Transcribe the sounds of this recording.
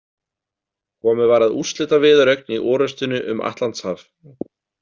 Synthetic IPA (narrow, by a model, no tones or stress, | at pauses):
kʰɔːmʏvaːɾaðust̪lɪːt̪avɪːðʏɾœɥk̚niʔɔːɾœst̪ʏnʏʔʏma̰ht̪lant̪shaːf